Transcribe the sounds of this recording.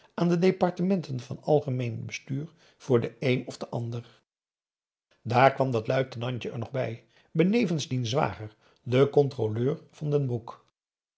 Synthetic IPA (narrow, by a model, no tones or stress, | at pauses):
ʔaːndədejpɑɹtəmɛntənvɑ̰nɑlˠχəmejnbəstyːɹ | v̥ʊːɹdəejnɔfdəʔɑndəɹ | daːɹkʋɑmdɑtlœɥtənɑɲcəʔɛ̰ɹnɔχbɛ̰j | bənejvənzdinzʋa̰ːχəɹ | dəkɔntroløːɹv̥ɑndənbuk